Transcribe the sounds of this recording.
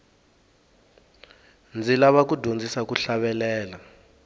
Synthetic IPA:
nd͡zʱilaβak̬udʱond͡zʱisakuɬaɓɛlɛːla

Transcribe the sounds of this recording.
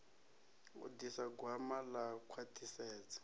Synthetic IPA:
ṵdisaɡwamalakʰwatʰʼisɛːt͡sḁ

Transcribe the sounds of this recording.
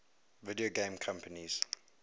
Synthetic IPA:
vɪdioɡẽmkʰãmpəniz̥

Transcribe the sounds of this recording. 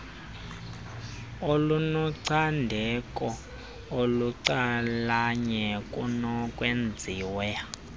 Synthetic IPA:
olunɔǀʰandʱɛkʼɔ | oluǀalaɲɛkʼunɔkʼwend͡zʱiːwɛ

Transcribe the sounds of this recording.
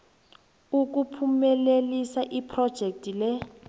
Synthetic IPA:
uk̬upʰumɛlelisaʔipʰrɔd̥ʒ̥ʱek̚tʼilɛ

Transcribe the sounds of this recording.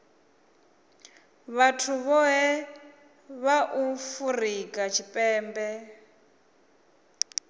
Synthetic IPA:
βatʰuβɔɦɛ | βaʔufurikʼat͡ʃʰipʼɛːmbɛ

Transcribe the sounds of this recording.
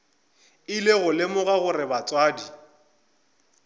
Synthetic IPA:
ɪleɣʊlɪmʊɣaɣʊrɪbat͡sʼwaːdi

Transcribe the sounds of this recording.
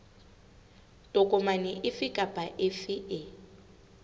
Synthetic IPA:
tʼʊkʼʊmanɪʔɪfɪkʼapʼaʔɪfɪɪ

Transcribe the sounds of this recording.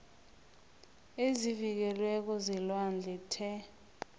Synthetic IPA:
ezivik̬ɛlwɛk̬ɔzilwand͡ɮʱɛtʰɛ

